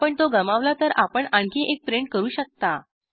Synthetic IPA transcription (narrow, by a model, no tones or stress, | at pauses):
pəɳt̪oɡəmaʋlat̪əɾʔapəɳãɳkiʔek̚pɾeɳʈ̚kəɾuːɕək̚t̪a